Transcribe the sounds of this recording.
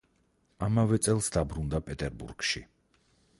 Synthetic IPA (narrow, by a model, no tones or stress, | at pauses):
amavɛt̪sʼɛlˠsd̪abɾund̪apʼɛt̪ʼɛɾbṵɾɡ̥ʃi